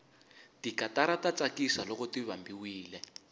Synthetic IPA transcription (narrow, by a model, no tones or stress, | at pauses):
tikataɾatat͡sakisalɔkɔtiβambiwiːlɛ